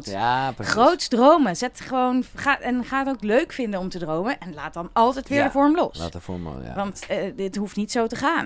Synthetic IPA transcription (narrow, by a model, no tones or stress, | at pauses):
tχrowtsdrowməzɛtχəʋownχaːɛnχaːətowkløɥkfɪndənɔmtədrowmənʔɛnla̰ːt̚dɑnɑlˠtɛjtʋɪːɹdəvɔɹmlɔsa̰əfɔ̰ɹɔ̰ʋɑntəətɦuftnitsowtəχaːn